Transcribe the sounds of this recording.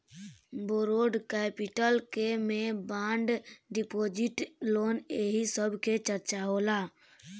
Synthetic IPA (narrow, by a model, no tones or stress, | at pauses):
boɾoɖkɛːpiʈəlkemẽbãːɳɖɖipoːd͡ʒiʈloːneɦisəbʱket͡ʃəɾt͡ʃaɦoːla